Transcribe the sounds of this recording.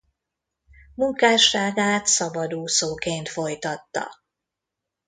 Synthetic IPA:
muŋkaːʃaːɡaːt̪sɒbɒd̪uːsoːkeːnt̪fo̞jt̪ɒt̪ːɒ̰

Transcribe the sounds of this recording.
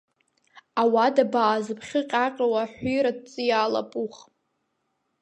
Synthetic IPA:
awadabaːzɨpʰχʲɪqʲʼaqʲʼawaħʷijɾad̚t͡sʼɨjaːla̰pʼuχ

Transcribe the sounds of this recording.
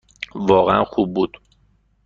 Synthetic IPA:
vɒːɣeænxuːb̚ːuːd̪̥

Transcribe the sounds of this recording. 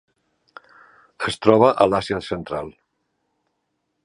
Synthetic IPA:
əst̪ɾɔβəʔəlasjəsənt̪ɾalˠ

